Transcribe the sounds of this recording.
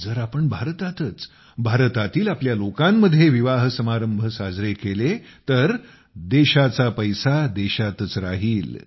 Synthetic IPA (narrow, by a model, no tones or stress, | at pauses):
d͡zəɾapəɳbʱaɾt̪at̪ət͡s | bʱaɾt̪at̪iːlapljalokamːəd̪ʱːjeʋiʋaɦsəmaɾəmbʱəsad͡zɾekelet̪əɾ | d̪eɕat͡sapəjsad̪eɕat̪ət͡sɾa̰ɦiːl